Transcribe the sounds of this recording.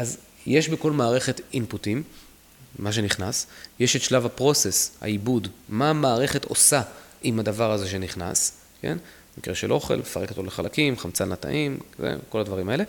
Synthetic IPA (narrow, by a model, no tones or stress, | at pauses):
ʔaz | jeʃbeko̞lmaːʁe̞χe̞tinputimː | aʃ̬e̞niχnasjeʃet̪ʃlavapʁo̞se̞sha̰ibudmaːmaːʁe̞χe̞to̞̰saʔimadavaʁaze̞ʃ̬e̞niχna̰s | ke̞̰n | mikʁeʃelʔo̞χe̞̰lmefaʁekt̪oleχalakimχamt͡salnata̰ʔimzḛko̞lad̪vaʁimae̞le̞